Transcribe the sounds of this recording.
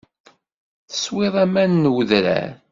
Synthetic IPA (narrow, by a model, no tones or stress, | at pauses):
θə̥sweðˤæmænːwəðɾæ̰ɾ